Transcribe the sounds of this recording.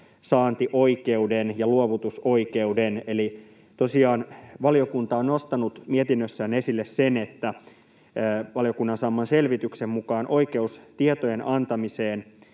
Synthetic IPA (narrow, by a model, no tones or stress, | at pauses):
sɑːnt̪iʔoikeudenjɑluoʋut̪usoike̞udeneli | t̪osiɑːnʋɑliokunt̪ɑonost̪ɑnut̪miet̪inːøsːæːnesilːessene̞t̪ːæ | ʋɑlijo̞kunːɑnsɑmːɑnselʋit̪yksemmukɑːnʔo̞ike̞ust̪iet̪oje̞nɑnt̪ɑmiseːn